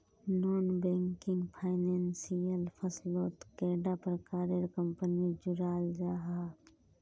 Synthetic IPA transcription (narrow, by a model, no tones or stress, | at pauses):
noːnbẽːŋkɪ̃ŋɡpʰaːɪneːnsijəlpʰəsloːt̪keːɖapəɾkaːɾeɾkə̃mpənid͡ʒʊɾaːld͡ʒaːɦaː